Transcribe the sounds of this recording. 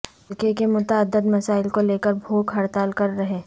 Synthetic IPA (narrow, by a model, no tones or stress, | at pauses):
kekemʊt̪aəd̪ːəd̪mɐsaːɪlkoleːkəɾbʱoːɡɦɐɾt̪aːlkɐɾːɐɦeː